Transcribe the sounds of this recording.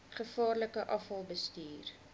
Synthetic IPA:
χəfɑːrləkəʔɐfɐlˠbəstyːr

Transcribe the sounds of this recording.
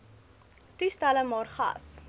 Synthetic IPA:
tʉstæləmɑːrχɐ̰s

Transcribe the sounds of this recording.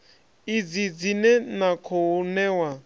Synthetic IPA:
id͡zid͡zinɛnakʰɔunɛːwa

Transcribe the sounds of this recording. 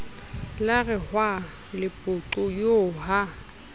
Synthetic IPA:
larɪhwa | lɪpʼʊǃʊjoːha

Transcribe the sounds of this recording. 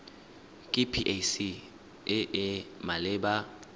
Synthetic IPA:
kʼipʰiʔesi | ɪʔɛmalɪːɓa

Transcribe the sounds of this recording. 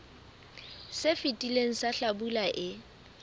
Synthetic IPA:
sefitʼileŋ̩saɬabulaʔɪ

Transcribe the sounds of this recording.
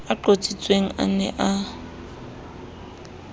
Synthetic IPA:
aǃot͡sʼit͡sʼweŋ̩a̰nɛ̰ʔa

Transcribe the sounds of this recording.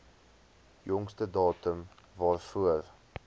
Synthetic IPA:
jɔŋstədɑːtəmvɑːrfuər

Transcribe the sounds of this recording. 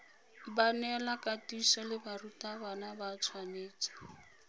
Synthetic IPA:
banɛlakatisɔlɪbarutabanabat͡sʰwaneːt͡sḁ

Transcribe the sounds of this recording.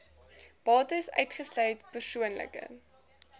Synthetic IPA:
b̥ɑːtəsœ̰ɥtχəslœjtpərsuənlə̰kə̰

